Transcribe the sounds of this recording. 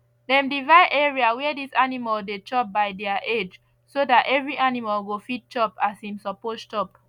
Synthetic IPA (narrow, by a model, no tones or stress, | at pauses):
dɛ̃mdivaɪʔɛɹiawɛadisanimaldet͡ʃɔp̚baɪdɛaʔed͡ʒ | sodatɛvɹiʔanimalɡofit̚t͡ʃɔpasĩmsɔpostɔp̚